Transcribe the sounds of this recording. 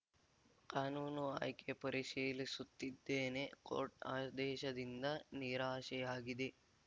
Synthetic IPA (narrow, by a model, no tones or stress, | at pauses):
kaːnuːnua̰ːjkepɐɾiʃiːlisut̪ːid̪ːeːne̞ko̰ːɾʈa̰ːd̪ɛːʃɐd̪ind̪ɐniːɾaːʃɛjaːɡid̪e